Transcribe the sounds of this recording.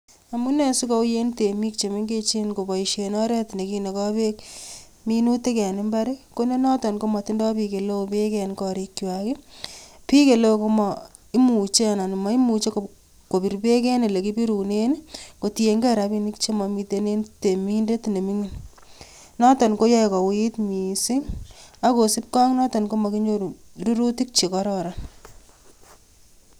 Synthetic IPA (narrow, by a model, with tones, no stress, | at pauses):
a˨mu˦ne˦su˦kɔ˦u˦je˦nte˨mi˦k̚t͡ʃe˨me˦ŋɡe˦t͡ʃe˦nko˨ba˨iʃe˨nɔ˦ɾɛ˦tne˨ki˦ne˨kɔ˦pe˦k | minu˦te˦kɛ˨n˦mba˦ɾiko˦ne˦nɔ˦tɔ˨nko˦mɔ˨ti˦ndɔ˦pi˧ke˨lo˦ope˦kɛ˦nkɔ˨ɾi˦kːjwaki˦pi˦ke˨lo˦˨ko˦mɔ | i˦mu˨t͡ʃe˦a˨na˨ni˨ma˨˦i˦mu˨t͡ʃe˦ko | ko˨pi˨ɾpe˦kɛ˦ni˨le˨ki˦pi˦ɾu˨ne˦nko˨ti˨e˨ŋɡe˦ɾa˨pi˦ni˦k̚t͡ʃe˦mɔ˨mi˧te˦ne˦nte˨mi˦nde˦tne˨mi˦ŋi˨n | nɔ˦tɔ˨nko˦ja˦˨kɔ˨witmi˨si˦ŋa˦ko˨si˦p̚kɔ˦ŋnɔ˦tɔ˨nko˦mɔ˨ki˦ɲo˦ɾu˨ɾu˦ɾu˦ti˦k̚t͡ʃe˨kɔ˦ɾɔ˨ɾa˨n